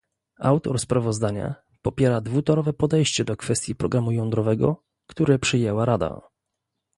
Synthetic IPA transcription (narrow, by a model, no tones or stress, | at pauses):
awt̪ɔɾspɾavɔzd̪aɲa̰ | pɔpʲjɛɾad̪vut̪ɔɾɔvɛpɔd̪ɛjɕt͡ɕɛd̪ɔkfɛst̪ʲjipɾɔɡɾamujɔnd̪ɾɔvɛɡɔ̰ | kt̪uɾɛpʂɘjɛwaɾad̪a̰